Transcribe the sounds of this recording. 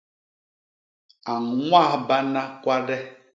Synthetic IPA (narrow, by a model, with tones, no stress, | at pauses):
a˨ŋ̩˨ŋʷa˦˨ba˦na˦kʷa˦ɖɛ˦